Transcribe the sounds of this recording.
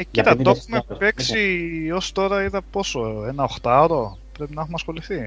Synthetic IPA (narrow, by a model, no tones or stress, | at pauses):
ect̪ɐt̪oxumepe̞ksio̞st̪o̞ɾɐiðɐpo̞so̞enɐoxt̪ɐoɾo̞ | pɾe̞pinexumɐsxo̞liθi